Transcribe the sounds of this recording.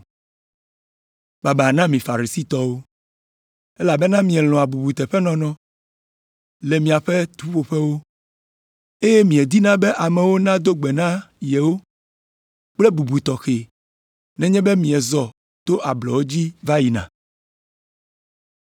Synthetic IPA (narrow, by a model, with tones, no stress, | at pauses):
ba˨ba˨nã˦mĩ˨fa˨ɾi˨si˦t̪ɔ˦wo˦ | e˦la˨bɛ˦nã˦mĩ˨ɛ˨l̃ɔ̃˨a˨bu˨bu˨t̪ɛ˨ɸɛ˦nɔ̃˦nɔ̃˦ | le˨mĩ˨a˨ɸe˦t̪u˦ɸo˨ɸɛ˦wo˦ | e˦jɛ˦mĩ˨ɛ˨d̪i˦nã˦be˦ʔa˨mɛ̃˨wo˦nã˦d̪o˦ɡ͡be˨nã˦jɛ˨wo˦ | k͡ple˦bu˨bu˨t̪ɔ˨xe˨ | nɛ̃˦ɲɛ̃˦be˦mĩ˨ɛ˨zɔ˨ | t̪o˦ʔa˨blɔ˨wo˦d͡ʑi˦va˦ji˨nã̰˨